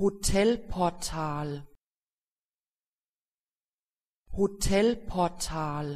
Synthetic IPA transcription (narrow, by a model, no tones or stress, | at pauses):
hot̪ʰelpʰɔːt̪ʰaːl | hot̪ʰelpʰɔːt̪ʰaːl